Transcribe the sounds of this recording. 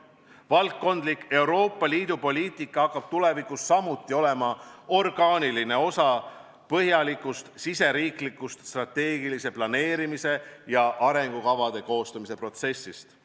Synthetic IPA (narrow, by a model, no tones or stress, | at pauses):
vɑlk̪ːo̞nd̪likːe̞wɾo̞ːpːˑɑliːd̪̥upo̞lʲiːt̪ˑikˑːɑɑkːɑb̥̚t̪ule̞vikusːɑmut̪ːˑio̞le̞mɑo̞rɡ̥ɑːniline̞o̞sɑ | pɤɦjɑlikːˑust̪sise̞ɾiːklikːˑust̪st̪rɑt̪ːe̞ːɡ̥ilise̞plɑne̞ːɾimise̞jɑʔɑɾe̞ŋɡ̥ukɑvɑd̪̥e̞ko̞ːst̪umise̞pro̞t̪se̞sːist̪